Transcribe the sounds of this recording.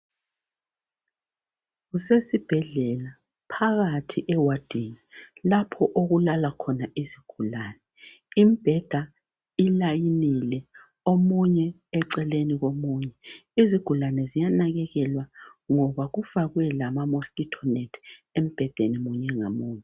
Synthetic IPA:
ɣusesib̥ʱɛɮɛla | pʰaɣatʰiʔɛwad̥ʱiɲilapʰɔʔoɣulalakʰɔnaʔiziɡ̥ʱulaːnɛ | imib̥ʱɛd̥ʱa | ilajinilɛ | omuɲɛ | ɛǀɛleniɣomuːɲɛiziɡ̥ʱulanɛzijanaɣɛɣɛlwaŋɔβaɣufaɣwɛlamamoskitʰɔnetʰem̩b̥ʱɛd̥ʱenimuɲɛŋa̰muːɲɛ

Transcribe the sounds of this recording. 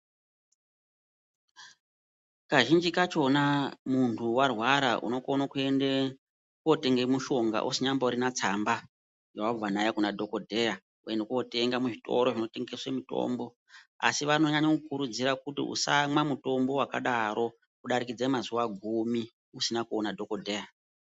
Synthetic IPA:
kaʒind͡ʒikat͡ʃo̞namuntʰuwarwaɾaʔṵno̞konokue̞nde | kuote̞ŋɡemuʃo̞ŋɡa̰ʔusiɲambauɾinat͡samba | jawab͡vanajakunadʱo̞ko̞dʱe̞ja | ue̞ndekuo̞te̞ŋɡamuʐito̞̰ɾo̞ʐino̞te̞ŋɡeswemito̞̰mbo̞ | a̰siʋano̞ɲaɲo̞kukuɾud͡ziɾakutḭʔṵsamwamuto̞mbo̞waka̰ɗaɾo̞ | uɗaɾikid͡zemazuʋaɡʱumi | usinakuonadʱo̞ko̞dʱe̞ːja

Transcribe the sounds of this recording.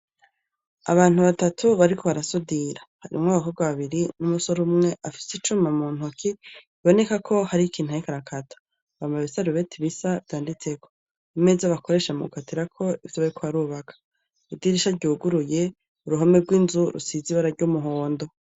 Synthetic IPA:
a̰βaːn̥uβatatʰuβaɾikʰo̞βaɾasudiɾahaɾḭmŋaβakobɡwaβaβiɾinumuso̞ɾumŋe̞ʔafi̥sit͡ʃumamuːn̥ukiiβo̞ne̞kakʰo̞haɾikʰiːn̥huaikaɾakʰatʰḁ | βamaβisaɾuβe̞tʰiβisavdaːndit͡se̞ko̞̥ | imezaβakoɾe̞ːʃamuɡukʰatiɾakʰo̞ivjoβaɾikʰoβaɾuːβakʰḁ | idiɾiʃaɾɟuːɡuɾuje̞ | uɾuɦomeɡwiːnzuɾṵsiziβaɾaɾɟumuɦo̞ːndo̞

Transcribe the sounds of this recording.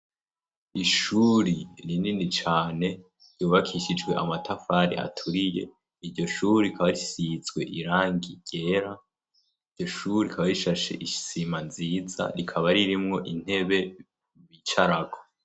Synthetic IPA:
iʃuːɾiɾininit͡ʃaːne̞ | ɾjuːβakʰiʃid͡ʒɡwe̞ʔamatʰafaːɾḭʔa̰tʰuɾije̞ | iɾɟo̞ʃuːɾiikaβaɾisizɡwe̞̰ʔiɾaːŋɡiɟ̥e̞ːɾa | iɾɟo̞ʃuɾiikʰaβaɾiʃaʃe̞̰ʔisimanziːza̰ɾikʰaβaɾiɾimŋo̞ʔin̥he̞βe̞ | βit͡ʃaɾaɡo

